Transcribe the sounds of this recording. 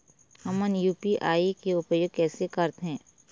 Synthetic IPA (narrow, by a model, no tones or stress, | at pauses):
həmənjuːpiʔaːikeʊpjoːɡkɛːsekɐɾt̪ɦɛ̃ː